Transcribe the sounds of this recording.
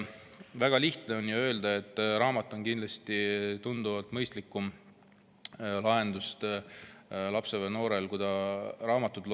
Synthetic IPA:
væɡ̥ɑliht̪ne̞o̞njuø̞ːld̪ɑe̞t̪ːˑɾɑːmɑt̪ːˑo̞nkind̪lɑst̪it̪und̪̥uvɑlt̪ˑmɤjst̪likːˑum | lɑe̞nd̪ust̪ | lɑpse̞veno̞ːɾe̞lkud̪̥ɑɾɑːmɑt̪ːˑud̪l

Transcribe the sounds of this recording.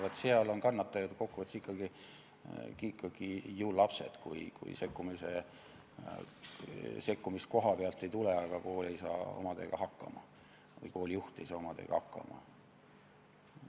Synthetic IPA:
ɑt̪seɑlo̞nkɑnːɑt̪ːˑɑjɑd̪ko̞kːuvɑt̪sikːˑɑɡ̥i | kikːɑɡ̥ijuːllɑpse̞̰d̪̥kujkṵj̰se̞kːumise̞ | se̞kːumist̪̚ko̞ɦɑpeɑlt̪ːˑe̞jt̪uleɑɡ̥ɑkoːle̞jsɑ̰ːo̞̰mɑd̪e̞̰ːɡ̥ɑɦɑkːɑ̰mɑ̰ | vɤ̰jko̞ːljuht̪ˑḛjsɑːomɑd̪̥ḛːɡ̥ɑ̰hɑkːɑ̰mɑ̰

